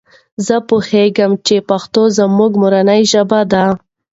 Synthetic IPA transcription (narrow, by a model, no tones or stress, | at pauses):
zəpuheɡəmt͡ʃepaxt̪ozəmuɡmʊɾanajʒabad̪a